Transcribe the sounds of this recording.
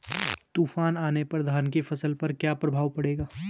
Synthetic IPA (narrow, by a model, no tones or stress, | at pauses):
t̪uːfaːnaːnepɐɾd̪ʱaːnkefʰɐsəlpɐɾkjaːpɾɐbʱaːʋpɐɽeːɡaː